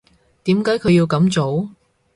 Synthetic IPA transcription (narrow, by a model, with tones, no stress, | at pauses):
t̪iː˨˥mkaː˨˥jkʰɵ˧ɥjiː˧wkɐ˨˥mt͡so˨˥w